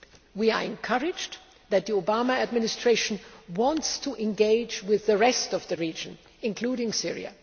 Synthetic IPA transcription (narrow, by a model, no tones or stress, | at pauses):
wia˞ɛ̃nkʰʌɹɪd͡ʒ | ðæt̪̚ðiobaməːd̚mɪnɪstʰɹ̥eɪʃə̃nwɑ̃ntstʰuʔɛ̃nɡeɪd͡ʒwɪðːəɹɛstɔvðɨɹid͡ʒə̃n | ɪ̃nkʰl̥uːɾɪ̃ŋsɪɹḭa̰